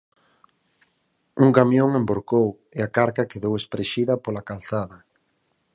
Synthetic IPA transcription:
uŋkamjoŋemboɾkow | eakaɾkakeðowespɾeʃiðɐpolakalθaðɐ

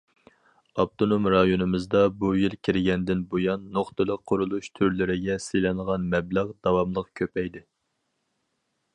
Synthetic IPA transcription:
ɑp̚t̪ʰonomɾɑjonɨmɨzd̪ɑbujilkʲʰiɾɪɡʲɛnd̪ɪnbojɑnːoχt̪ɨlˠəqʰːʊɾulˠuʃt̪ʰyɾlɪɾɪɡʲɛselɪŋʁɑnmɛblæʁd̪̥ɑwɑmlˠəqkʲʰøpɛjd̪ɪ

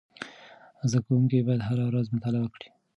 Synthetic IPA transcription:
zd̪akawuŋkibɑjad̪ɦaɾawɾazmʊt̪ɑlɪbakɽi̥

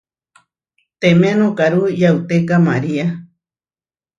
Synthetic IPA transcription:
t̪emenõkaɾujawt̪ekamaɾia

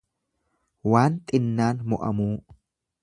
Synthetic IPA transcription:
waːnt̪ʼɪnːaːnmɔʔɐ̰muː

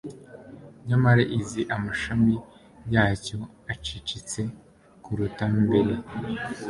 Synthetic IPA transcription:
ɲamaɾeʔiziʔamaʃami | jaːco̞ | at͡ʃit͡ʃit͡se̞ | kuɾutambeɾe

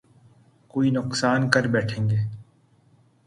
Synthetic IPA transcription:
koːinʊqsaːnkəɾbɛːʈʰẽːŋɡeː

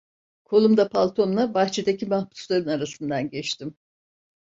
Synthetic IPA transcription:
kʰo̞lˠumd̪apʰalˠt̪ʰo̞nlˠabaht͡ʃʰed̪acʰimahbu̥slˠaɾɯnaɾasɯnd̪anɟɛt͡ʃt̪ʰim

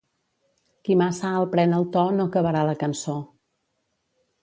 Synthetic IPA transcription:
kimasaəlˠpɾɛnəlˠt̪ɔnokəβəɾaləkənso

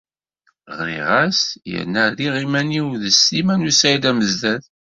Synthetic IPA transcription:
ʁɾḭʁæsjə̰nːəðiʁimæniwðəsːimænusæid̪æməzdæð

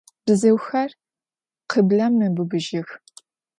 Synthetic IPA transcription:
b̥ɨzɐwxɐr | qʰəbɮɐmnɨbɨbɨʒɪx

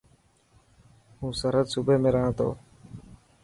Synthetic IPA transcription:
ɦũːsəɾəd̪subeːmẽːɾəɦãːt̪ʰo̰ː

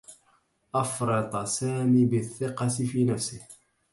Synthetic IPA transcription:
ʔɑfɾˤɨd̪ˤɑsaːmibɪθːɪqɑtɪfiːnafsɪh

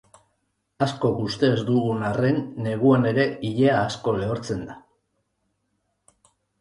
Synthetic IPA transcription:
asko̞kust̪e̞ːzd̪uɣunare̞nːe̞ɣ̞uane̞ɾe̞iʎe̞aːsko̞leoɾt͡se̞nd̪a

